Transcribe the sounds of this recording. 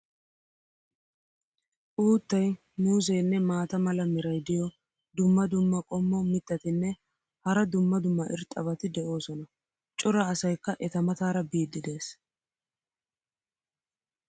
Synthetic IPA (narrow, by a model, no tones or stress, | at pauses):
ʔuːt̪ːɐj | muːzɛjnːɛmaːt̪ɐmɐlɐmɪɾɐjd̪ɪjɔ | d̪ʊmːɐd̪ʊmːɐkʼɔmːɔmɪt̪ːɐt̪ɪnːɛ | hɐɾɐd̪ʊmːɐd̪ʊmːɐʔɪ̰ɾt̪ʼːɐβɐt̪ɪd̪ɛʔo̞ːsɔnɐ | t͡ʃʼʊɾɐːsɐjkːɐʔɛt̪ɐmɐt̪aːɾɐbiːd̪ːɪd̪e̞ːs